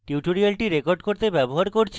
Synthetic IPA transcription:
ʈiuʈoɾialʈiɾekoɾɖkoɾt̪ebɛboɦaɾkoɾt͡ɕʰ

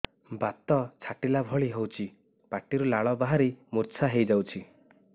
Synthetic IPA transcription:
bat̪ɔt͡ʃʰaʈilabʱɔɭiɦewt͡ʃʰi | paʈiɾulaɭɔbaɦaɾimuɾt͡ʃʰaɦejd͡ʒawt͡ʃʰi

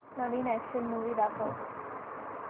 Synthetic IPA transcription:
nəʋiːnɛkʃənmuʋid̪akʰo

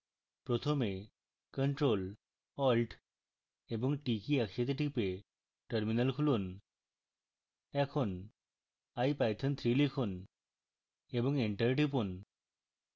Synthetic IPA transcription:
pɾot̪ʰome | kəɳʈɾol | ɔlʈ | eboŋʈikiɛkʃet̪̬eʈipe | ʈəɾminalkʰulun | ɛkʰon | ajpajt̪ʰent̪ʰɾilikʰon | eboŋeɳʈəɾʈipun

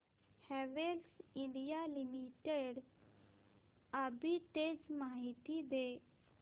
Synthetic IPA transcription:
hɛʋelsɪ̃ɳɖijalimiʈeɖ | əbit̪ed͡ʒmaːɦit̪id̪e

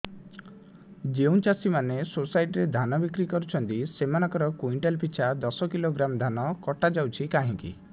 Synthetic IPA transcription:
d͡ʒeũnt͡ʃasimanesosajʈɾed̪ʱanɔbikɾikɔɾut͡ʃʰɔnt̪isemanɔ̃ŋkɔɾɔkuiɳʈelpit͡ʃʰad̪ɔsɔkiloɡɾamd̪ʱanɔkɔʈad͡ʒawt͡ʃʰikaɦĩŋkḭ

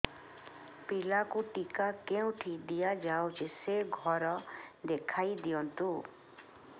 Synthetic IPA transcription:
pɪlakuʈikakeũʈʰid̪ijad͡ʒaːot͡ʃʰiseɡʱɔɾɔd̪ekʰaːid̪ijɔ̃nt̪u

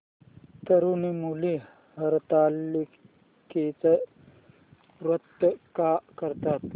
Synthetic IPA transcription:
t̪ɐɾuːnimuːli | hɐɾt̪aːli | kit͡sɐ | ɾɐt̪ːkakɐɾt̪aːt̪

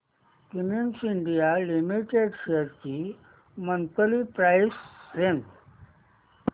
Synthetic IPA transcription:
kiminsiɳɖijalimiʈeɖɕeɾt͡ɕi | mənt̪əlipɾajsɾen

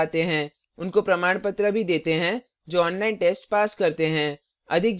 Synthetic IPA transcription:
t̪eɦɛ̃ː | ʊnkopɾɐmaːɽ̃pət̪ɾəbʱid̪eːt̪eɦɛ̃ | d͡ʒoːɔːnlaːɪnʈeːsʈpaːskɐɾt̪eɦɛ̃ː | ɐd̪ʱɪk̚

